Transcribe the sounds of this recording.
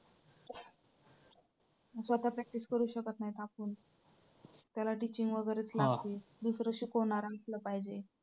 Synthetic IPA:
sʋat̪apɾɛk̚ʈiskəɾuːɕəkət̪naɦjt̪ʰakuːn | t̪jalaʈit͡ɕiŋɡʋəɡəɾət͡slaɡt̪id̪usɾəɕukoɳaɾaŋkləpaɦjd͡ʑe

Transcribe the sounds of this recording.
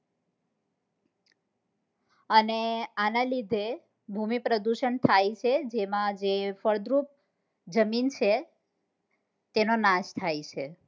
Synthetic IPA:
əneanalid̪ʱe | bʱumipɾəd̪uʃənt̪ʰajt͡ʃʰed͡ʒemãd͡ʒefəɭd̪ɾup̚ | d͡ʒəmint͡ʃʰe | t̪enonaʃt̪ʰajt͡ʃʰe

